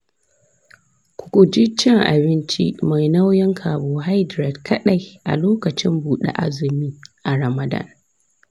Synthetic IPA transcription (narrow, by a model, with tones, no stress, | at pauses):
kʷʊ̥˨kʷu˨d͡ʒi˦t͡ʃɛ˦ŋʔa̰˨bɪ˦nt͡ʃḭ˦ma˨jna˦wjɛ˦ŋkʰaː˨boː˨ɦa˦jdɾɛ˨dkʰɐ˦ɗa˨jʔa̰˨loː˦kɐ˨t͡ʃɪ˦mbuː˨ɗḛ˦ʔa̰˦zɪ˨miː˦ʔa˨ɾɐ˨mɐ˨da̰˦˨n